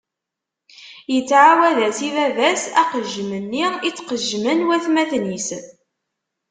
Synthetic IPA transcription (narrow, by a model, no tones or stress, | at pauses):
jət͡sːʕawæðæsivævæsæqəʒmənːiit͡sːqəʒmənwæθmæθnis